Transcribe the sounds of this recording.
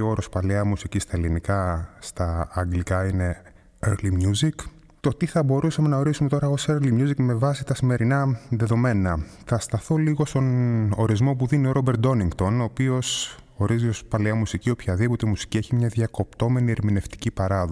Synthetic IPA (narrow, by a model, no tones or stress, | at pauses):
o̞ɾo̞spɐleɐmusicist̪ɐelinikɐst̪ɐːŋɡlikɐine̞ | eɾlimjuzik | t̪o̞t̪iθɐbo̞ɾusɐme̞nɐo̞ɾisumet̪o̞ɾɐo̞seɾlimɲuzikme̞vɐsit̪ɐsime̞ɾinɐðe̞ðo̞me̞nɐθɐst̪ɐθo̞liɣo̞st̪o̞no̞ɾizmo̞puðinio̞ɾo̞be̞ɾt̪d̪o̞niŋɡt̪o̞no̞ːpio̞s | o̞ɾiziospɐleɐmusicio̞pçɐðipo̞t̪e̞musi̥cie̞çimɲɐðjɐko̞pt̪o̞me̞nieɾmine̞ft̪i̥cipɐɾɐðo